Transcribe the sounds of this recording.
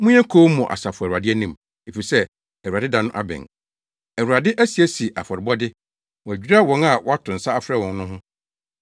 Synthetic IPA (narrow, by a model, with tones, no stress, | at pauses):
mũ˦ɛ̃˦kʰo˦mũ˨ʔa̰˨sa˨fʊ˨a˨dɪ˦ɛ˦nĩ˦m | e˨fi˨sɛ˦ | ɛ˨ɾa˨dɪ˦dã˨nʊ̃˦ʔa̰˦bɛ̰̃˨ŋ | æ˨wu˨ɾa˨dɪ˦ʔæ˦si˨æ˦si˨ʔa˨fɔ˨ɾɪ˨bɔ˦dɪ˦ | wɔ̃˨æ˨d͡ʑᶣi˦ɾa˦wɔ̃˨˦na˨wɔ˦a˦tʰʊ̃˨n̩˨sa˦a˦fɾɛ˦˨wɔ̃˨n˦nʊ̃˦ɦʊ̃˦